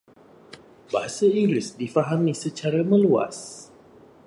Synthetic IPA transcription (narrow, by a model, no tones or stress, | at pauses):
baɦasaiŋɡlɪsdifaɦamisət͡ʃaɾamə̃lua̰s